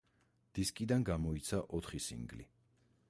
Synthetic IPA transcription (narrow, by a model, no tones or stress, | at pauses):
d̪̥iskʼid̪anɡamɔit̪sʰaʔɔt̪ʰχisḭŋɡli